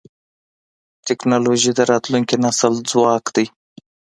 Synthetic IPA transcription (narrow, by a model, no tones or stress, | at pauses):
t̪ɪknɑloʒid̪əɾɑt̪luŋkinasəld͡zwɑkd̪aj